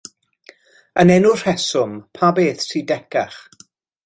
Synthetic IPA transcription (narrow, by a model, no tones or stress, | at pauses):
ənɛnʊr̥ɛsʊmpʰabeːθtʰiːdɛkaχ